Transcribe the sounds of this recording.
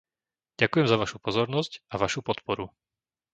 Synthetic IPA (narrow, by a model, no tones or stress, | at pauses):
ɟ̥akujɛmzaʋaʃupɔzɔɾnɔscaʋaʃupɔt̪pɔɾu